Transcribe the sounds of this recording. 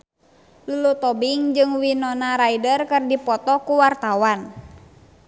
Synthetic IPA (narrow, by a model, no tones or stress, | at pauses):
lulut̪ɔbiŋd͡ʒɨŋwinɔnaɾaidərkɨrdipɔt̪ɔkuwart̪awan